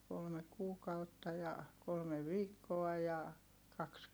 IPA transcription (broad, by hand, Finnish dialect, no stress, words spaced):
kolme kuːkɑutːɑ jɑ kolme ʋiːkːoɑ jɑ kɑks